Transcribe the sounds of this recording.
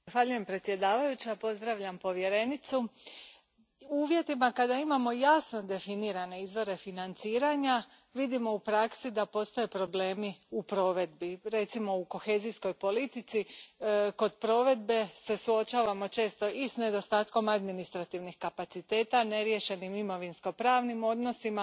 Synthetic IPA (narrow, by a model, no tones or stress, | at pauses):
axʋaʎuje̞mpɾe̞t̪sje̞d̪aːʋajut͡ɕapo̞zd̪ɾaʋʎampo̞ʋje̞ɾe̞nit̪su | uːʋje̞t̪imakad̪aimamo̞jasno̞d̪e̞finiːɾane̞izʋo̞ɾe̞finant̪siːɾaɲa | ʋid̪imo̞upɾaksid̪apo̞st̪o̞je̞pɾo̞ble̞ːmiupɾo̞ːʋe̞d̪biɾe̞t̪simo̞uko̞xe̞zisko̞jpo̞lit̪it̪si | ko̞d̪pɾo̞ʋe̞d̪̚be̞se̞suo̞t͡ʃaːʋamo̞t͡ʃe̞ːst̪o̞isne̞d̪o̞st̪aːt̪ko̞mad̪minist̪ɾat̪iʋnixkapat̪sit̪e̞ːt̪ane̞ɾje̞ʃe̞nimimo̞ʋinsko̞pɾaːʋnimo̞d̪no̞sima